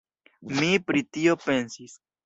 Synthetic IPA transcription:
mipɾitio̞pe̞nsis

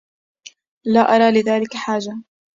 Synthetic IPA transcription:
laːʔɑɾˤɑːlɪðaːlɪkaħaːd͡ʒa

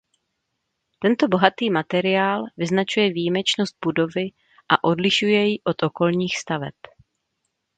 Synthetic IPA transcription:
t̪ɛnt̪obo̞ɦat̪iːmat̪ɛɾɪaːlvɪznat͡ʃujɛvijimɛt͡ʃno̞st̪̚budo̞vɪ | ʔaʔo̞dlɪʃujɛjɪʔo̞t̪ʔo̞ko̞lɲiːxst̪avɛ̰p

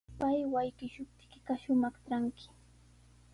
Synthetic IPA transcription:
pajwajkɪʃʊp̚t̪ɪ̥kɪɢɑʃʊmɑχʈ͡ʂaŋkɪ̥

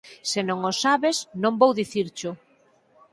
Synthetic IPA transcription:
senõŋosaβesnõmbowðiθiɾt͡ʃʊ

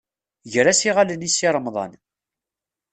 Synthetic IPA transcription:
ʝɾæsiʁalənisiɾˤmðˤɑ̰n

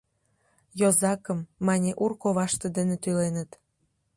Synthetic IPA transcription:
jozɑkəmːɑnʲeʔurkoβɑʃt̪ĕd̪ə̆nĕt̪ylenə̆t̪

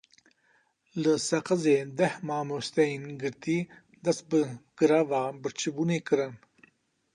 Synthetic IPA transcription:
ləsɐqɐzed̪ɐhmaːmost̪ɐinɡəɾt̪i | d̪ɐsbəɡ̥əɾavabəɾt͡ʃʰibunekəɾɐn

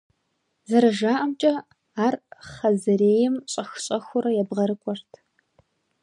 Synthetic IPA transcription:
zɐɾɐʒaːʔɐmt͡ʃʼɐ | aːrχɐzɨɾeːjɪmɕʼɐxɕʼɐxʷʊɾɐjɛbʁɐɾɨkʷʼɔrtʰ

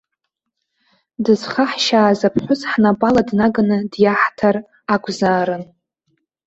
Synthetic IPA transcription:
dɨzχaħʃaːzapʰħʷʊzħnabʼaladnaɡanɨdjaħtʰar | akʷʰʼzaːɾɨn

